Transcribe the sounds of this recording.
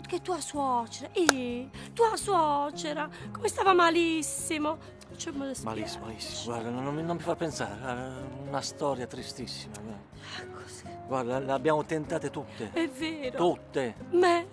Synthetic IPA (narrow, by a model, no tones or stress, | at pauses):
ket̪ːuaswɔt͡ʃɛɾaʔit̪uaswɔt͡ʃɛɾakomest̪aːvamalisːimo | at͡ʃːɛmɔzesma̰lisːimalisːimoɡwaɾd̪annmnommifaɾpɛnsa̰ɾeaunast̪ɔːɾjat̪ɾist̪isːimaɡwad̪ | akʰo̥si̥ɡwaɾd̪alabjaːmot̪ɛnt̪aːt̪et̪ut̪ːeɛvːeːɾot̪ut̪ːemɛ